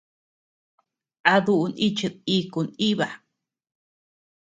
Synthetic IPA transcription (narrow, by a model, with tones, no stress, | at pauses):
a˧ðu˧ʔu˧ni˦t͡ʃɨ˧t̪i˧ku˧ni˦βa˨